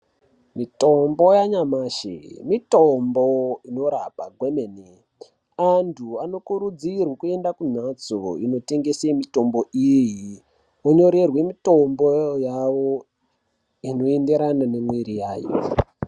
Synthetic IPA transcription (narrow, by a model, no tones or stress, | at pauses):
mitombo̞jaɲamaːʃḛmitomboino̞ɾapaɡʱwemene | antʰuano̞kuɾud͡zirwakue̞ndakun̤at͡so̰ino̞te̞ŋɡe̞semito̞mbo̞iji | woɲo̞ɾe̞rwe̞mito̞mbojawo | ino̞ende̞ɾananemwiɾijaːjo̰